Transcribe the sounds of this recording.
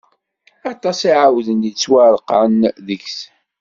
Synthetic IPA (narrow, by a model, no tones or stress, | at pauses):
ɑt̪ˤːɑsiʕawðənit͡sːwaɾˤqʕənðəçs